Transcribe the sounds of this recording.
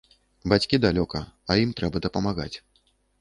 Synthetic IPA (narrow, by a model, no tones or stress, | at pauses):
bat͡sʲkʲid̪alʲɔkɐɐjimt̪ɾɛbɐd̪ɐpɐmaɣa̰t͡sʲ